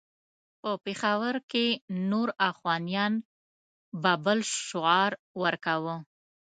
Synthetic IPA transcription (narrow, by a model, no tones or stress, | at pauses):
pəpexawəɾkenoɾafɣɑnijɑn | bɑbəlʃʊɑɾ | wəɾkawə